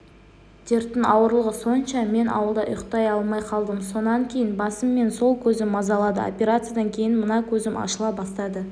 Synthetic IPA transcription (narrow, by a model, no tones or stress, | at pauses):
d̪̥e̞ɾt̪ːɪŋɑwəɾlˠəʁəso̞nʃɑme̞nʔɑ̰wəlˠd̪ɑʔʊ̰jqt̪ɑjɑlˠmɑjqʰɑlˠd̪əmso̞nɑŋkʲʰe̞jɪnbɑsəmːe̞nso̞lˠkʲʰɵzɪmːɑzɑlˠɑd̪ə̰o̰pʲe̞ɾat̪sɨjad̪ɑŋkʲʰe̞jɪnmənɑkʲʰɵzɪmʔɑ̰ʃəlˠɑp̚bɑst̪ɑd̪ə